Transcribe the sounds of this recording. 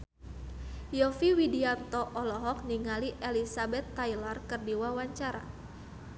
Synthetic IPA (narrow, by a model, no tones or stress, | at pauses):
jɔfiwidiant̪ɔʔɔlɔɦɔk̚niŋaliʔelisabɛt̪ːailarkɨrdiwawaɲt͡ʃaɾa̰